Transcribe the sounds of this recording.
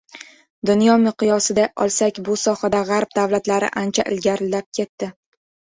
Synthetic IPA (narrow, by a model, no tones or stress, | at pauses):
d̪ʊnjɒmɪqʰɨjɒsɪd̪aʔɒ̰lˠsakʲbʊsɒhad̪aʁaɾp̚d̪avlat̪laɾɪ̰ʔant͡ʃʰaʔɪlɡʲaɾɪlːap̚kʲʰe̞t̪ːɪ